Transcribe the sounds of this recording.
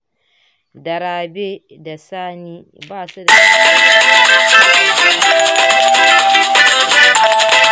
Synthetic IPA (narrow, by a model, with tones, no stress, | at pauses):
dɐ˨ɾaː˨be˦ | da˨saː˦ni˦ | baː˦˨su˦da˨a˦a˨a˦a˦˨i˦a˦˨˦